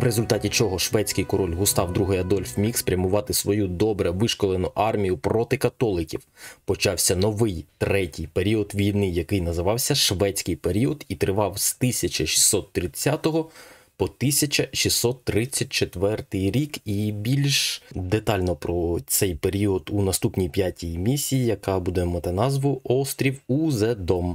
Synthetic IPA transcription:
ʋɾezʊlʲt̪ɑtʲit͡ʃɔɦɔʃʋɛt͡sʲkɪjkɔɾɔlʲɦʊst̪ɑwd̪ɾuɦɪjɐd̪ɔlʲfmʲixspɾʲɐmʊʋɑt̪ɪsʋɔjud̪ɔbɾɛʋɪʃkɔlˠenʊʔɑrmʲijʊpɾɔt̪ɪkɐt̪ɔlˠɪkʲiwpɔt͡ʃɑwsʲɐnɔʋɪjt̪ɾɛtʲijpeɾʲiɔd̪ʋʲijnɪjɐkɪjnɐzɪʋɑwsʲɐʃʋɛt͡sʲkɪjpeɾʲiɔd̪it̪ɾɪʋɑwst̪ɪsʲɐt͡ʃɐʃʲi̥sːɔt̪ːɾɪt͡sʲːat̪ɔɦɔ | pɔt̪ɪsʲɐt͡ʃɐʃʲisːɔt̪ːɾɪt͡sʲːɐt̚ʲt͡ʃet̪ʋɛrt̪ɪjɾʲikibʲilʲʃd̪et̪ɑlʲnɔpɾɔt̪sɛjpeɾʲiɔd̪unɐst̪upnʲijpʲjatʲijimʲisʲijijɐkɑbud̪ɛmɐt̪ɪnɑzʋʊʔɔst̪ɾʲiwuzɛd̪ɔm

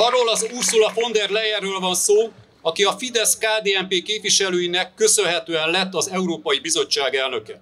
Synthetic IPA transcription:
ɒrːoːlɒzursulɒfo̞nd̪ɛrlɛjɛrːøːlvɒnsoː | ɒkiɒfid̪ɛskaːd̪eːɛmpeːkeːpʋiʃɛløːjinɛkːø̞sø̞nɦɛt̪øːɛnlɛt̪ːɒzɛuɾoːpɒjibizo̞t͡ʃːaːɡɛlnø̞kɛ

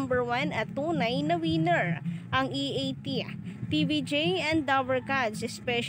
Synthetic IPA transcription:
mbɛɹwanɐt̪ːuːnɐjnɐwiːnɛɹʔɐŋiʔejt̪it̪ivid͡ʒejɛ̃nd̪d̪awɛɹkad̪sɛspɛʃ

